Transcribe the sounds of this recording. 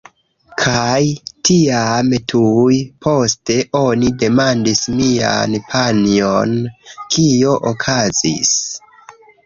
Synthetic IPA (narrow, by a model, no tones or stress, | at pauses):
kʰajtʰiamtʰujpʰo̞ste̞ʔo̞nide̞mandismia̰npʰanionkʰio̞ʔokʰazḭs